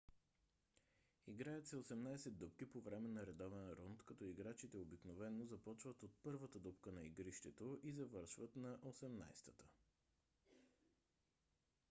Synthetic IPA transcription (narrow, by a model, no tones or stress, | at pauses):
iɡɾajət̪sɛosɛmnajsɛd̪upk̟ipovɾɛmɛnɐɾɛd̪ɔvɛnɾunt̪kɐt̪ɔiɡɾat͡ʃit̪ɛobiknovɛnːozɐpɔt͡ʃvət̪ot̪̚pɤɾvət̪əd̪upkənɐiɡɾiʃt̪ɛt̪oʔizɐvɤɾʃvət̪nɐʔosɛmna̰jst̪ə̥t̪ə̥